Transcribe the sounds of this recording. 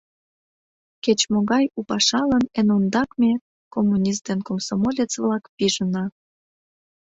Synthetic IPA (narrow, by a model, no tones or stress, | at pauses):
ket͡ɕmoɣɑjupɑʃɑlənenond̪ɑkmʲe | komːunʲis̬t̪enkomsomolʲet͡svlɑkpiʒənɑ